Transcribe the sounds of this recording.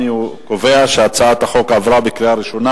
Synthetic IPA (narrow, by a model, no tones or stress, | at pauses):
ikoveaʃeat͡saat̪haχo̞kavʁabekɾiaɾiʃo̞na